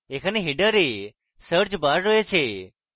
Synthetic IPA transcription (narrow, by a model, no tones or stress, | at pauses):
ekʰaniɦiɖəɾe | səɾt͡ʃbaɾːoet͡ʃʰe